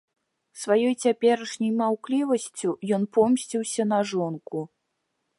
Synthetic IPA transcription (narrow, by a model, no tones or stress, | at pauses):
svajɔjt͡sʲapʲɛɾɐʂnʲɐjmawklʲivɐsʲt͡sʲujɔnpɔmsʲt͡sʲiwsʲɐnɐʐɔnku